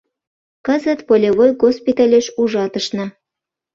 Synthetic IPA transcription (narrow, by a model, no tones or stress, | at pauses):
kəzə̆t̪polʲeβojɡospʲit̪ɑlʲeʃuʒɑt̪əʃnɤ̆